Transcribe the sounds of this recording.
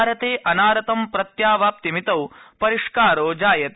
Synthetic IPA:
ɾɐt̪eːʔɐnaːɾɐt̪ɐmpɾɐt̪jaːʋaːp̚t̪imit̪ɐwpɐɾiʂkaːɾoːd͡ʒaːjɐt̪

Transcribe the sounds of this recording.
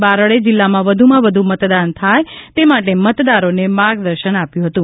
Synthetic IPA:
baɾəɭed͡ʒɪlːamãʋəd̪ʱumãʋəd̪ʱumət̪d̪ant̪ʰajt̪emaʈemət̪d̪aɾonemaɾɡd̪əɾʃənapjũɦət̪ũ

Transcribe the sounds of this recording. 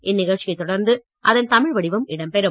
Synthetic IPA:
ʔɪnːɪɣɐɭʈt͡ʃɪjɐɪt̪ːɔɽɐɾnd̪ɯ | ʔɐðɐnt̪ɐmɪɻʋɐɽɪʋɐmɪɽɐmpɛɾɯm

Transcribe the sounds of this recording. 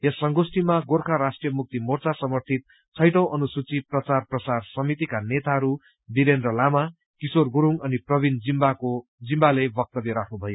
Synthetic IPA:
jʌsʌŋɡosʈimaɡorkʰaɾasʈrijʌmuk̚t̪imort͡sasʌmʌrt̪ʰit̪̚ | t͡sʰʌjʈʌ̃w̃ʔʌnusut͡siprʌt͡sarprʌsarsʌmit̪ikanet̪aɦʌɾu | b̪iɾend̪rʌlama | kisorɡuɾuŋʌniprʌbind͡zimbakod͡zimbalebʌk̚t̪ʌbeɾakʰnubʱʌjo

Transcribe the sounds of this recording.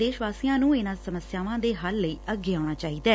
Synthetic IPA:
d̪eːʃʋaːsijãːnũːɪnãːsəməsjaːʋãːd̪eːɦalːəiːəɡːeːaːʊɽ̃aːt͡ʃaːiːd̪aː

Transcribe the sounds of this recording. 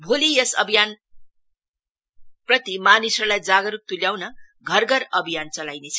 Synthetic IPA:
bʱolijʌsʌbʱijan | prʌt̪imanisʌrlajd͡zaɡʌɾuk̚t̪uljaw̃nʌ | ɡʱʌrɡʌɾʌbʱijant͡sʌlajnet͡sʰʌ̥

